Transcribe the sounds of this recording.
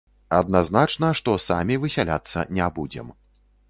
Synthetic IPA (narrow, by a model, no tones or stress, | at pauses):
ɐd̪naznat͡ʂnɐʂt̪ɔsa̰mʲivɨsʲalʲa̰t̪sːɐ̰nʲɛbud͡zʲɛ̰m